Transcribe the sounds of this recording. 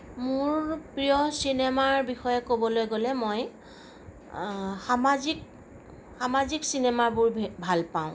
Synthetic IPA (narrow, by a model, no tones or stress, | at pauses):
mʊɹpɹijɔsinemaɹbixɔjɛkobɔlojɡolɛmoj | xamazik̚ | xamaziksinemabʊɹbʱalpaʊ̃